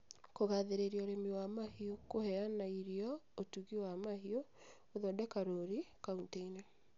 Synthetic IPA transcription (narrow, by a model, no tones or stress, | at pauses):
koɣaðeɾeɾiɔoɾemiwamahiokohɛanaiɾiɔotuɣiwamaɦio | oðɔdɛkaɾoɾikaunteina